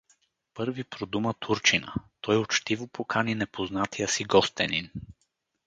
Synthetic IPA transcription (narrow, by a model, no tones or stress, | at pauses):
pɤɾvipɾod̪umət̪ʰuɾt͡ʃinə̰t̪ɔjot͡ʃt̪ivopokʰaninɛpʰoznat̪ijəsiɡɔst̪ɛnḭn